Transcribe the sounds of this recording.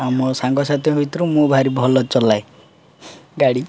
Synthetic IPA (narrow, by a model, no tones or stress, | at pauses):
amɔsaŋɡɔsat̪jɔɦuit̪ɾumũbʱaɾibʱɔlɔt͡ʃɔlaj | ɡaɽi